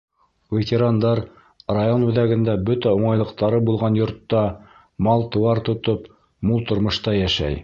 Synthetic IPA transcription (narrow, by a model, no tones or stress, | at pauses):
vʲet̪ʲeɾand̪ɑɾ | rajonʉ̆ðæɡɘ̆nd̪æbɵt̪æuɴɑjlˠɤ̆qt̪ɑɾɤbulˠʁɑnjŏɾt̪ːɑ | mɑlˠt̪ɤ̆wɑɾt̪ŏt̪op | mulˠt̪ŏɾmŏʃt̪ɑjæʃæ̰j